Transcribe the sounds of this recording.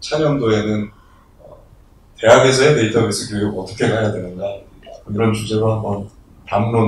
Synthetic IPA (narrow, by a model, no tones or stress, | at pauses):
t͡ɕʰaɲʌmdoe̞nɯn | ʌ | te̞ɦaɡe̞s̬ʰʌeteit͈ʰʌɡes͈ʰɯkjooɡʌt͈ʌkʰe̞kajadwe̞nɯnɡakkɯɾʌnt͡ɕʰud͡ʑe̞ɡaɦambʌn | pamɾon